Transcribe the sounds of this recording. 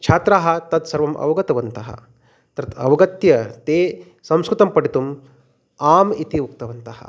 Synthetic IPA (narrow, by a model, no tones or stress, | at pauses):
t͡ʃʰaːt̪ɾaːɦɐ̆t̪ɐt̪sɐɾʋɐmʔɐ̰ʋɐɡɐt̪ɐʋɐnt̪ɐɦɐ̰ | t̪ɐɾɐt̪ʰɐʋɐɡɐt̪jɐt̪e | sɐ̃w̃skɾɨt̪ɐmpɐɽit̪um | aːmit̪iʋuk̚t̪ɐʋɐnt̪ɐɦɐ̰